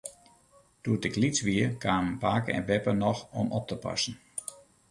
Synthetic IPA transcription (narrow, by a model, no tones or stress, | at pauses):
d̥uətəklit͡sʋiəkʰaːmənpaːkəɛ̰nbɛpənɔxɔmɔp̚təpa̰sn̩